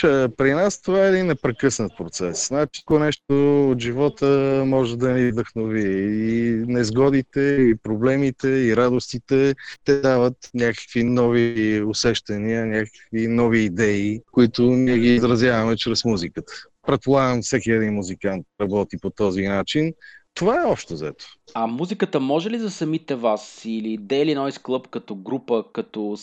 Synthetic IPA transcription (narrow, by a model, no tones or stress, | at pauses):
apɾinast̪ovaɛd̪inːɛpɾɛkɤsnət̪̚pɾot̪sɛsnat͡ʃi̥konɛʃt̪oot̪ʒivɔt̪əmɔʒɛd̪ɐnivd̪əxnoviɛinɛzɡɔd̪it̪ɛipɾoblɛmit̪ɛiɾad̪ost̪it̪ɛt̪ɛd̪avət̪nʲakə̥kvinɔviosɛʃt̪ɐniənʲakə̥kvinɔviːd̪ɛikoit̪ʊniɛɡiːzɾɐzʲjavɐmɛt͡ʃɾɛsmuzikət̪ə̥ | pɾɛt̪̚polˠaɡəmfsɛkʲiɛd̪inmuzikant̪̚ɾɐbɔt̪ipot̪ɔzinat͡ʃint̪ovaɛɔpʃt̪ozɛt̪o̥ɐmuzikət̪əmɔʒɛlizɐsɐmit̪ɛvasilid̪ɛliɛnɔisklˠɤpkɐt̪ɔɡɾupəkɐt̪ɔ